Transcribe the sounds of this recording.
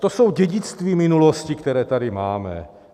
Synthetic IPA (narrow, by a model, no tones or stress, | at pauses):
t̪oso̞wɟɛɟɪt͡st̪viːmɪnuloscɪkt̪ɛɾɛːt̪adɪmaːmɛ̰